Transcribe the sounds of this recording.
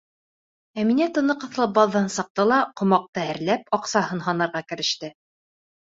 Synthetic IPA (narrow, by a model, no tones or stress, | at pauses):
æminæt̪ɤ̆nɤqɤ̆θlˠɤp̚bɑðːɑnsɤ̆q̚t̪ɤlˠɑqŏmɑq̚t̪ɤɘ̆ɾlæp̚ɒqsɑhɤnɦɑnɤ̆ɾʁɑkɘ̆ɾɘ̆ʃt̪ɘ